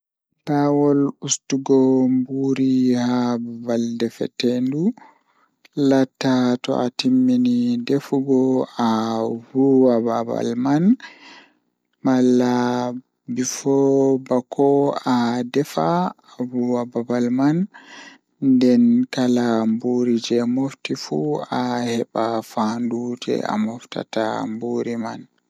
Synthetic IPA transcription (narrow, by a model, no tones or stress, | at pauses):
bawɔlustuɡɔmbuɾihabbaldɛfɛ̰tɛndu | latːatɔ̰ʔatimːinidefuɡɔawuwababa̰lman | malːa | bifɔbakʰɔadɛfa | wuwababalman | ndɛnkalambuɾid͡ʒɛmoftifuahɛɓafanduːd͡ʒɛ̰a̰mɔfta̰tambuːɾiman